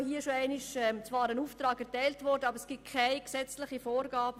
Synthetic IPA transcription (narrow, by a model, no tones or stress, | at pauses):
hiːʃoæɪnɪʃɛmt͡svɑːɾənuːftɾɑːɡɛʁtɛɪltvɔɾdəɑbəɾəsɡ̥it̚kʰaɪksɛt͡slɪχifoːɾɡɑːbə